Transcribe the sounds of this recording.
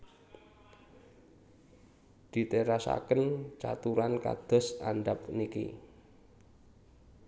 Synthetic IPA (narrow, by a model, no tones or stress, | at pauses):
d̪̥i̤t̪eɾasa̰kənt͡ʃa̰t̪uɾanka̰d̪̥ɔ̤saɳɖapnikḭ